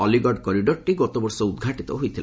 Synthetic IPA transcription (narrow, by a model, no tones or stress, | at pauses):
ɔliɡɔɖkɔɾiɖɔɾʈiɡɔt̪ɔbɔɾsɔud̪ɡʱaʈit̪ɔɦojt̪ʰil